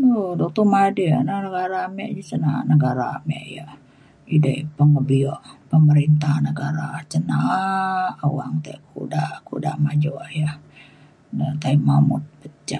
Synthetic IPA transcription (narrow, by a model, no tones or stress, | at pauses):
odɔk̚t̪ɔmadia̰nanəɡaɾamɛʔd͡ʒəsənanəɡaɾamɛ̰ʔja | idəpəŋəbiɔʔpəməɾint̪ahnəɡaɾat͡ʃəna | awaŋt̪akʰudakudamad͡ʒoʔja | nət̪aimamʊ̰t̪̚bət͡ʃa